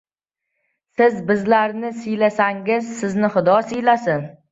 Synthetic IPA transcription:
sɪzbɪzlaɾnɪsɪjlasaŋɪzsɪznɪχʊd̪ɒsɪjlasɪn

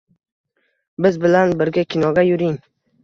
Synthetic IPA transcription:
bɪzbɪlanbɪɾɡʲakʲʰɪnɒɡʲajʊɾɪŋ

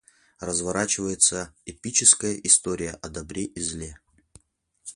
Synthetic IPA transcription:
rəzvɐɾat͡ɕɪvəjɪt̪səɛpʲit͡ɕɪskəjəʔɪst̪oɾʲɪjə̰ʔɐd̪ɐbɾʲeʔizlʲe

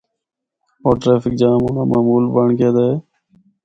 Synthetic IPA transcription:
oːʈɾeːfɪk̚d͡ʒaːmoːnaːmʔaːmuːlbəɳkeːd̪eː

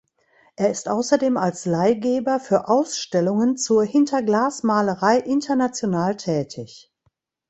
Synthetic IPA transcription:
ʔeːɐɪstʔaʊsɐdeːmalslaɪɡeːbɐfyːɐʔaʊsʃtɛlʊŋənt͡suːɐhɪntʰɐɡlaːsmaːləʁaɪʔɪntʰɐnat͡sjonaːltʰɛːtʰɪç

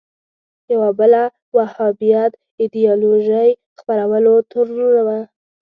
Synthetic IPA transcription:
jawabəla | wahɑbijat̪ | ɪd̪ijɑloʒəj | xpaɾawəlot̪ʰəɾloɾawa

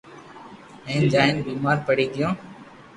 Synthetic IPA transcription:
ẽːnd͡ʒaːɪnbiːmaːɾpəɽiːɡɪjõː

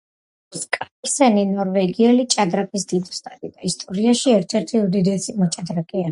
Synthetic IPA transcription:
skʼa | ɾsɛninɔɾvɛɡiɛlit͡ʃʼad̪ɾapʼisd̪̥id̪ɔst̪ʼad̪id̪̥aist̪ʼɔɾiaʃiɛɾt̪ʰɛɾt̪ʰiud̪id̪ɛsimɔt͡ʃʼad̪ɾakʼia

